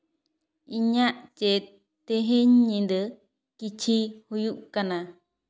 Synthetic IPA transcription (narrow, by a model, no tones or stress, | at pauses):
iɲãʔt͡ʃe | t̪eɦẽɲːĩnd̪ə | kit͡ʃihujuʔkanã